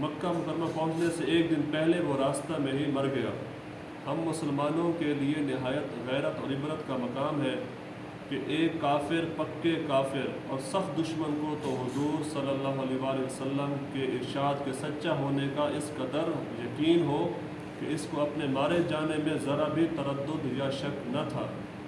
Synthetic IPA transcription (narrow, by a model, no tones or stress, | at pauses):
mɐkːamʊkəɾmapɐ̃ɦʊ̃t͡ʃneseeːk̚d̪ɪnpɛɦleʋoɾaːst̪amẽɦimɐɾɡɐja̰ː | hɐmːʊsəlmaːnõkelienɪɦaːjət̪ɣɛːɾət̪ɔːɾɪbɾət̪kamɐkaːmɦɛ | keʔeːkːaːfɪɾpɐkːekaːfɪɾɔːɾsɐxt̪d̪ʊʃmənkot̪oɦʊzuːɾsɐlːəlːaːɦɐleʋaːleɦʋɐsəlːəmkeɪɾʃaːd̪kesɐtːʃaɦoːnekaʔɪskɐd̪əɾ | jɐkiːnɦo | keɪskoɐpnemaːɾed͡ʒaːnemẽzɐɾabʱit̪ɐɾəd̪ːʊd̪jaʃɐknɐt̪ʰa̰ː